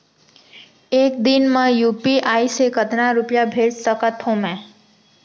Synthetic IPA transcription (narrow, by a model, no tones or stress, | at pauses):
eːk̚d̪ɪnmãjuːpiʔaːisekət̪nãɾʊpjabʱeːd͡ʒsəkət̪ɦõmɛ̃ː